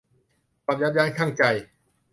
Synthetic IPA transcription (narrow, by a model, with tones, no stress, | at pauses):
pa˨˩t̚jaː˧˥jaː˧nkʰaː˥˩ŋt͡ɕa˧j